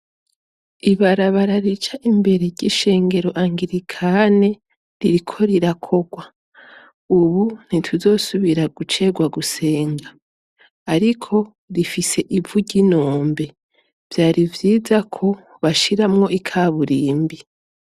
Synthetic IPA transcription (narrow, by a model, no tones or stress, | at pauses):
iβaɾaβaɾaɾit͡ʃaʔimbe̞ɾeɾɟiʃe̞ːŋɡe̞ɾo̞ʔaŋɡiɾikʰane̞ | ɾiɾikʰo̞ɾiɾakʰo̞ɡwa | uβun̥itʰuzo̞suβiɾaɡut͡ʃe̞ɡwaɡuse̞ːŋɡaː | ɾikʰo̞ | ɾifise̞ʔivuɟino̞ːmbe̞ | v̥jaːɾivjiːzakʰo̞ | βaʃiɾamŋo̞ʔikʰaːβuɾiːmbi